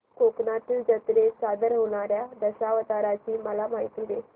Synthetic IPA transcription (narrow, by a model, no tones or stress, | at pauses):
koknat̪id͡ʑət̪ɾesad̪əɾɦoɽ̃aɾjad̪əɕaʋət̪aɾat͡ɕiːməlamaɦit̪iːʋe